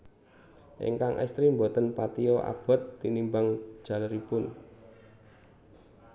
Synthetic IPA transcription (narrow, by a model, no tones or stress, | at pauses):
ʔḭŋkaŋʔɛ̰st̪ɾimbot̪ənpat̪iɔʔa̰b̥ɔ̤t̪ːinimbaŋ̥ʒ̥ä̤ləɾipʊn